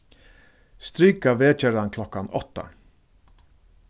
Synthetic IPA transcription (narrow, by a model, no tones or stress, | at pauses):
st̪ɾyːkaʋeːt͡ʃœɾɑnkʰlɔkɑnɔ̰t̪ə̰